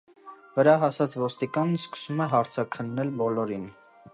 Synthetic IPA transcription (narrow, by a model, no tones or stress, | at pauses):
vəɾɑɦɑsɑt͡svɔst̪ikɑnəskə̥sumɛɦɑɾt͡sʰɑkʰənːɛlbɔlɔɾin